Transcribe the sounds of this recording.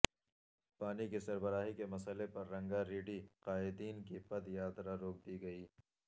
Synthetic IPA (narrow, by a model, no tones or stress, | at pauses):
paːnikisɐɾbəɾaːɦikemɐsəlepɐɾːɐ̃ŋɡaɾiːɖiqaːɪd̪iːnkipɐd̪jaːt̪ɾaɾoːk̚d̪iɡɐiː